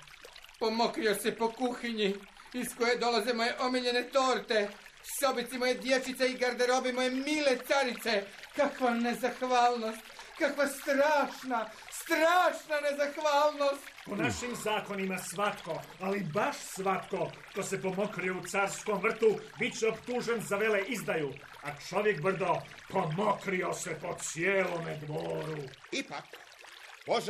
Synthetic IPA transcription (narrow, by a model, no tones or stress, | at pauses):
po̞mo̞kɾijo̞sepo̞kuxiɲi | isko̞je̞d̪o̞lazemo̞jeʔo̞miʎe̞ne̞t̪o̞ːɾt̪e̞ | so̞bit̪simojed̪je̞t͡ʃit̪seiɡaɾd̪eɾo̞bimojemiːle̞t̪saɾit̪se̞ | kakʋane̞zaxʋaːlˠno̞st̪ | kakʋast̪ɾaːʃna | st̪ɾaːʃnane̞zaxʋaːlnost̪ponaʃimzaːko̞nimasʋat̪ko̞ | alibaʃsʋat̪ko̞ʃt̪osepo̞mo̞kɾijout̪saɾsko̞mvr̩t̪ubit͡ɕeopt̪uʒe̞nzaʋe̞leʔizd̪ajuː | at͡ʃo̞ʋjek̚br̩d̪o̞po̞mokɾio̞sepo̞t̪sijeːlomed̪ʋoːɾuipak | poʒ